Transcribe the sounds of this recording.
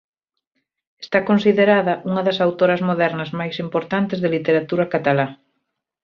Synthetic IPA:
est̪akonsiðeɾaðɐʔuŋɐðɐsawt̪oɾɐzmoðɛɾnɐzmajsimpoɾt̪ant̪ezðelit̪eɾat̪uɾɐkat̪ala

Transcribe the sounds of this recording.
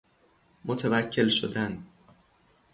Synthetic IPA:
mot̪ʰevæcʰːe̞lʃod̪æn

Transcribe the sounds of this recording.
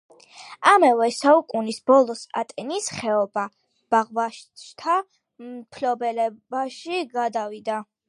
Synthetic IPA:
amɛvɛsaukʼunisbɔlˠɔsa̰t̪ʼɛnisχɛɔba | b̥aʁvaʃt̪ʰa | mpʰlɔbɛlɛbaʃiɡad̪avid̪a

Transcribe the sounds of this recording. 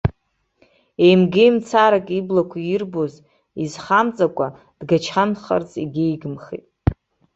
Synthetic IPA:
e̞jmɡejmt͡sʰaɾakʼiblakʷʰajirbo̞z | izχamt͡sʼakʷʼa | d̥ɡat͡ʃʰanχa̰rt͡sʼḭɡʲejɡɨmχḭtʼ

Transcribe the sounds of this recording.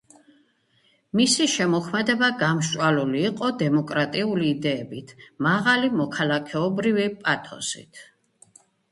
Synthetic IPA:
misiʃɛmɔkʰmɛd̪ɛbaɡamʃʼwaluliːqʼɔd̪ɛmɔkʼɾat̪ʼiuliːd̪ɛːbit̪ʰmaʁalimɔkʰalakʰɛɔbɾivipʼat̪ʰɔ̰sḭt̪ʰ

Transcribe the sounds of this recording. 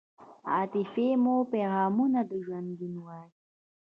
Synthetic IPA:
at̪efemopeɣaːmunad̪əʒwanɡ̪inwaːɾi

